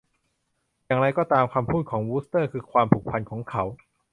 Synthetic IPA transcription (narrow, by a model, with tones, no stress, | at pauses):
jaː˨˩ŋɾa˧jkɔː˥˩t̪aː˧mkʰaː˧mpʰuː˥˩t̪̚kʰɔː˩˦ŋwuː˦˥st̪ɤː˥˩kʰɯː˧kʰwaː˧mp̪ʰuː˨˩k̚pʰa˧nkʰɔː˩˦ŋkʰa˦˥w